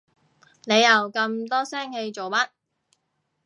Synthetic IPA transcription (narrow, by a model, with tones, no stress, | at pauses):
ne˨˧jɐ˨˧wkɐ˧mt̪ɔː˥sɛː˥ŋhe˧jt͡ʃo˨wmɐ˥t̚